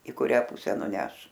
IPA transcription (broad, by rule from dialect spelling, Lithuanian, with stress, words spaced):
ɪ kʊˈrʲæː ˈpʊsʲɛ nʊˈnʲɛʃ